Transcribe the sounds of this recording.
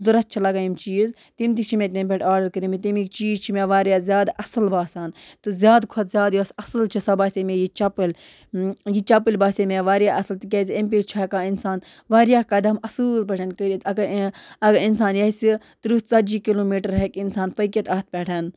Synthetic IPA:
zuɾɐt̪̚t͡ʃʰilɐɡaːimt͡ʃiːz | t̪imt̪̬it͡ʃʰimʲet̪empʲeʈʰaːɖɐɾkəɾimit̪imikt͡ʃiːzt͡ʃʰimeʋaːɾʲjaːzʲjaːd̪ʔɐsɨlbaːsaːnt̪ɨzʲjaːd̪kʰot̪zʲaːd̪josɐsɨlt͡ʃʰisɐbaːsʲemejit͡ʃɐpɨlʲ | jit͡ʃɐpilʲbaːsemeʋaːɾjaːʔɐsɐlt̪ik̬ʲɐzʲemp̬iːʈt͡ʃʰakaːinsaːn | ʋaːɾjaːkɐd̪ɐmɐsɨːlpʲɛʈʰɐnkəɾit̪ɐɡɐɐɡinsaːnjɐisi | t̪ɨɾut̪t͡sɐd͡ʒiːkiloːmiːʈɐɾɦekinsaːnpək̬ʲɐt̪ɐːt̪̚pʲɛʈʰɐn

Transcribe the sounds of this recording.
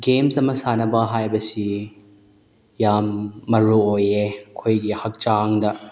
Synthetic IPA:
ɡemsɐmɐsanɐbɐɦajbɐsi | jamːɐɾuojekʰojɡihɐk̚t͡ʃaŋdɐ

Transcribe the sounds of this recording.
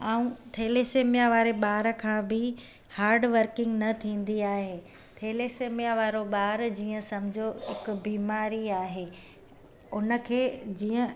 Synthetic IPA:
aːũt̪ʰeːleseːmijaʋaːɾeɓaːɾə̆kʰãːbɪ | haːɾɖʋəɾkɪ̃ŋɡnɐt̪ʰĩːn̆d̪iaːɦeː | t̪ʰeːleseːmijaʋaːɾoɓaːɾd͡ʑiːə̃sɐmɪd͡ʑʱoɪkbiːmaːɾiaːɦeː | ʊnə̆kʰeːd͡ʑiːə̃

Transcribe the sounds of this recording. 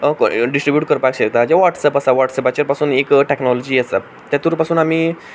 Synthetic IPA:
ɖisʈɾibjuːʈ̚kəɾpakɕekt̪ad͡ʑaʋaʈsɛpasaʋaʈsɛpat͡ɕeɾpasuːnekʈeknɔlɔd͡ʑiːəsa | t̪ːjat̪uːɾpasuːnamiː

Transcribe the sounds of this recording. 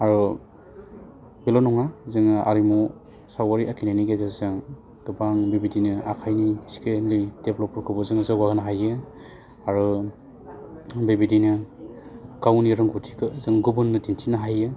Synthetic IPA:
aɾu | bilɔnɔŋazɯŋa̰ɾimu | sawaɾiʔakʰineniɡezazɯŋ | dubaŋbibidinɯakʰajniskelid̥eblɔpɔɾkʰɯbɔzɯŋzawaɡɯnaɦajɯ | aɾu | bibidinɯ | ɡ̥awniɾɯŋɡutʰikɯzɯŋɡubunːɯdintʰinaɦajɯ

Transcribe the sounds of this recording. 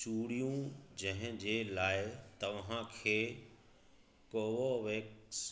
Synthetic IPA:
t͡ʃuːɽijũd͡ʑɐ̃ɦɪ̃d͡ʑeːlaːɪt̪ɐʋɦãkʰeː | koːʋoʋeːks

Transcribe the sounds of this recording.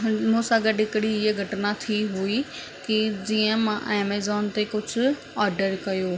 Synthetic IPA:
mũːsaːɡəɖɪkɽiɪeɡʱɐʈnat̪ʰiɦʊi | kid͡ʑiːə̃mãʔɛːmeːzɔːnt̪ekʊd͡ʒʱʰʊ | aːɾɖəɾkɐjoː

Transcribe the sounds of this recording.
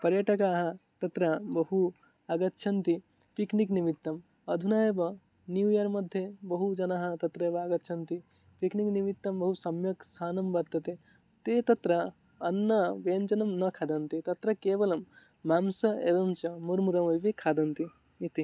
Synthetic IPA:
pɐɾjɐʈɐkaːɦɐt̪ɐt̪ɾɐbɐɦu | aɡɐt̪ːʃʰɐnt̪i | piknikniʋit̪ːɐm | ɐd̪ʱunaːeʋɐ | njuːjɐɾmɐd̪ʱjɐbɐɦud͡ʒɐnaɦɐ̆t̪ɐt̪ɾɐeːʋɐaɡɐt̪ːʃʰɐnt̪i | piknikniʋit̪ːɐmbɐɦusɐmjɐksʰaːnɐmbɐɾt̪ɐt̪e | t̪eːt̪ɐt̪ɾɐː | nːɐʋent͡ʃɐnɐmnɐkʰad̪ɐnt̪it̪ɐt̪ɾɐkeːʋɐlɐmː | aːmsɐeːʋɐmt͡ʃɐmuɾmuɾɐmɐʋikʰaːd̪ɐnt̪iː | t̪i

